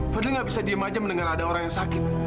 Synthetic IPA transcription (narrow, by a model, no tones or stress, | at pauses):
fədliŋɡabisadiamad͡ʒaməndəŋaradaoɾaŋjaŋsakɪt̪̚